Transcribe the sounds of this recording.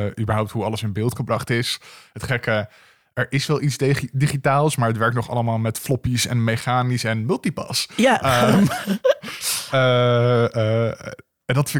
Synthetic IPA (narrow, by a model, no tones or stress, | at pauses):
ʔybəɹɦɔwp̚tɦuɑləsɪnbɪːlˠtχəbrɑχtɪsɦətχɛkə | ʔɛɹʔɪsʋɛlˠitsdiχitaːlˠsmaːɹətʋɛɹk̚tnɔχɑ̰ləmaːlˠmɛtflɔpisɛ̰nmeχaːnisɛnmɵlˠtipɑ̰sj | ə | ə | ɛndɑtf